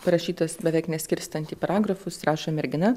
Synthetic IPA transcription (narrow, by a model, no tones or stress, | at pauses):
pɐɾɐʃʲiːt̪oːsbʲɛʋʲɛɪknʲɛsʲkʲɪɾʲst̪ɐnʲt̪ʲiːpɐɾɑːɡɾɐfʊsɾɑːʃoːmʲɛɾʲɡʲɪnɐ